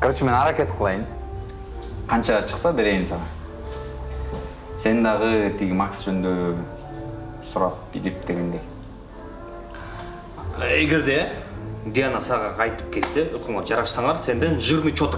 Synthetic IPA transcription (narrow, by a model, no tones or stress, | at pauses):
krt͡ʃme̞nɑɾakʲe̞t̪qʰəlˠɑjɯm | qʰɑnt͡ʃɑt͡ʃʰɯ̥qsɑbe̞ɾe̞jinsɑʁɑn | se̞nd̪ɑʁɯt̪ʰiɡimaksd͡ʒønnd̪ø | suɾɑp̚b̥ilip̚d̪̥e̞ɡe̞nd̪e̞j | eɡe̞ɾd̪e̞d̪ijanasɑʁɑɑjt̪ɯ̥p̚ke̞lse̞økøŋed͡ʒɑɾɑʃsɑɴɑɾse̞nd̪enʒɯɾnɯt͡ʃʰot̪